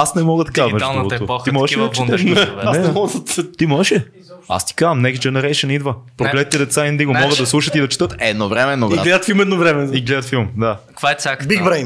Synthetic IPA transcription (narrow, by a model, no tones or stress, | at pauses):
asnɛmɔɡət̪ɐkamɛovot̪ːoɔiimɔɛʃɛd̪t͡ʃɛʃɛɛmɔɡd̪t̪imɔɛʃɛ | a̰st̪i̥kazɐmnɛksd͡ʒɛnɛɾɛjʃənid̪vəpɾoɡlɛt̪t̪ɛd̪ɛt̪saind̪iɡomɔɡəd̪ɐslˠuʃət̪id̪ɐt͡ʃɛ̥t̪ɤt̪ɛd̪novɾɛmɛɛd̪noiɡlɛd̪ət̪filˠmɛd̪novɾɛmɛiɡlɛd̪ət̪filˠmd̪akkvaɛt̪sʲakbiɡbɾɛjn